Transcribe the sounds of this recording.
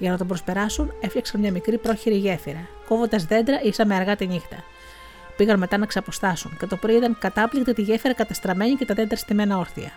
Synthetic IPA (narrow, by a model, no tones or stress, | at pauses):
ʝɐnɐt̪o̞bɾo̞spe̞ɾɐsune̞fʎɐksɐnmɲɐmikɾipɾo̞çiɾiʝe̞fiɾɐ | ko̞vo̞nd̪ɐzðe̞nd̪ɾɐisɐmeɐɾɣɐt̪iɲixt̪ɐ̰ | piɣɐnme̞t̪ɐnɐksɐpo̞st̪ɐsunce̞t̪o̞pɾit̪ɐŋkɐt̪ɐplikt̪it̪iʝe̞fiɾɐkɐt̪ɐst̪ɾɐme̞ɲice̞t̪ɐðe̞nd̪ɾɐst̪ime̞nɐo̞ɾθḭɐ̰